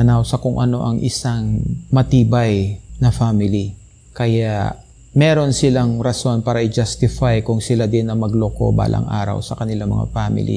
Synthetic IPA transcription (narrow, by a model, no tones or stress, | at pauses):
ɐnawsɐkʊŋʔɐno̞̰ʔɐŋʔɪsaŋmɐt̪iːbɐjnɐfamɪli | kɐjaʔ | mɛɾo̞nsɪlaŋɾɐso̞npaːɾɐʔɪd͡ʒast̪ɪfajkʊŋsɪlad̪ɪnːɐŋmɐɡloːko̞̰ba̰ːlʔɐ̰ŋʔa̰ːɾɐ̰wsɐkɐnɪlaŋmɐ̰ŋa̰faːmɪ̰lḭ